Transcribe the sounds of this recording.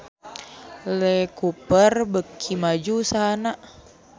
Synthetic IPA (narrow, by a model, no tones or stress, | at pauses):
lɛkupərbəkʰːimad͡ʒusanaʔ